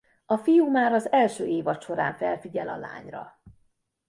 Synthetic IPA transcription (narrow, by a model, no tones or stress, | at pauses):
ɒfijumaːɾɒzɛlʃøːʔeːvɒt̪ʃo̞ɾa̰ːɱfɛlfiɟɛlɒ̰la̰ːɲrɒ̰